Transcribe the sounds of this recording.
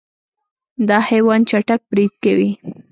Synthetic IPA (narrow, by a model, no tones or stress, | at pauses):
d̪ɑhajwɑnt͡ʃaʈak̚bɾid̪̚kawi